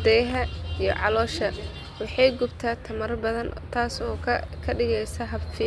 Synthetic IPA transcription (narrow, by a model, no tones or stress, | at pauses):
d̪ɛjɦɐijɞ̰ʕɑlɔːʃɐ | wɑħɑjɡʊbt̪ʰaːt̪ʰɐmɐɾbɐðɐnt̪ʰaːsɔːkʰɐɖɪɣɛjsɐɦɐfi